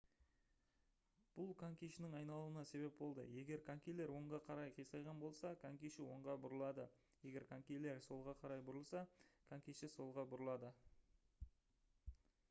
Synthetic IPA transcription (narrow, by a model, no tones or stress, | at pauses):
b̥ʊlˠkʰaŋkʲijʃɪnɪŋɑjnɑlˠuənɑse̞βe̞p̚bo̞lˠd̪ə̰je̞ɡʲe̞ɾkʰaŋkʲijle̞ɾwo̞ɴʁɑqʰɑɾɑjqʰijsɑjʁɑnbo̞lˠsɑkʰaŋkʲijʃɪwo̞ɴʁɑbʊɾəlˠɑd̪ə | je̞ɡʲe̞ɾkʰaŋkʲijle̞ɾso̞lˠʁɑqʰɑɾɑjbʊɾəlˠsɑkʰaŋkʲijʃɪso̞lˠʁɑbʊɾəlˠɑd̪ə